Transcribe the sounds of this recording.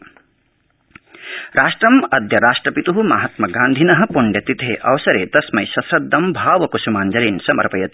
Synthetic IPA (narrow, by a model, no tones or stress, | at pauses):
ɾaːʂʈɾɐmɐd̪jɐɾaːʂʈɾɐpit̪uɦuma̰ːɦɐt̪mɐɡaːnd̪ʱinɐɦɐ̆puɳɖjɐt̪it̪eːʔɐ̰ʋɐsɐɾeːt̪ɐsmɐjsɐsɐd̪ːɐmbʱaːʋɐkusumaːnd͡ʒɐɾiːnsɐmɐ̰ɾpɐjɐt̪i